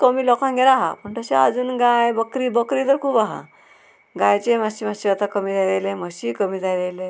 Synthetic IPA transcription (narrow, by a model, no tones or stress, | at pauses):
kəmiːlɔkãŋɡeɾaɦa̰pəɳt̪əɕea̰d͡zuːnɡajbəkɾibəkɾit̪əɾkʰuːbaɦa̰ | ɡajt͡ɕemaɕimaɕiat̪akəmiːd̪ʱaɾeleməɕiːkəmiːd̪ajɾejle